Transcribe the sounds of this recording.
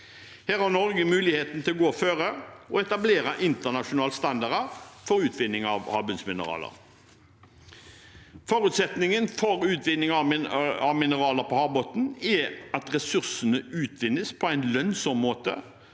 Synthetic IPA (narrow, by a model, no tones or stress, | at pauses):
hæːʁhɑʁnɔʁɡəmʉːlɪheːt̪nt̪ʰɪlɔɡoːføːʁəɔɛt̪ɑbleːʁɑʔɪnt̪əʁnɑʂʊnɑːlst̪ɑnd̪ɑʁəfɔʁʉːt̪ʰʋɪnːɪŋɑʋhɑːbʉnsmɪnə̰ʁɑ̰ːlə̰ʁ | foːʁʉːt̪sɛt̪nɪŋənfɔʁʉːt̪ʋɪnɪŋɑɪɑʋmɪnəʁɑːləʁpʰɔhɑːbɔt̪n̩ɛɑt̪ʁɛsʉʁsənəʉːt̪ʰʋɪnːəspʰɔæɪnlœnsɔmːoːt̪ə̰